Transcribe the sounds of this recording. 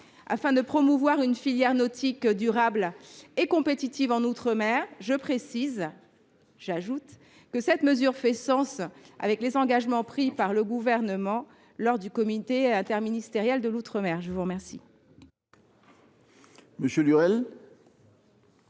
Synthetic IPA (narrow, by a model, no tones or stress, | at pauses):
a̰fɛ̃d̪əpχɔmuvwaʁynfiljɛʁnɔt̪ʰikd̪yʁablekɔ̃pet̪it̪ivɑ̃nut̪χəmɛʁʒəpχesiz | ʒaʒut̪ | kəsɛt̪məzyʁfɛsɑ̃sa̰vɛklezɑ̃ɡaʒmɑ̃pχipaʁləɡuvɛʁnəmɑ̃ | lɔʁd̪ykɔmit̪eɛ̃t̪ɛʁminist̪eʁjɛld̪əlut̪χəmɛʁʒəvuʁmɛʁsḭ | məsjølyʁɛl